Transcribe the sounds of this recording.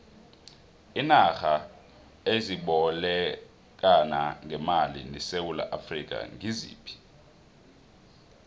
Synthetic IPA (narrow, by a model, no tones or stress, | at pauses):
inaxa | eziɓɔlɛ | k̬ʼanaŋʱɛmalḭnɛsewula̰ʔafrik̬ʼa̰ŋizḭːpʰi̥